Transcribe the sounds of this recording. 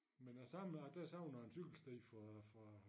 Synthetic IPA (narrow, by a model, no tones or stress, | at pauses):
menæsɑmæd̥æsɑ̈ʊnɐensyɡ̥l̩sd̥eːfʁɑ̈fʁɑ̈